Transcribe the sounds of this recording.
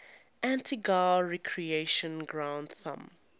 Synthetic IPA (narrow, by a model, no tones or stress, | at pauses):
ʔæ̃ntʰiɡaːɹɛkʰɹieʃə̃nɡɹãʊ̃ndθã̰m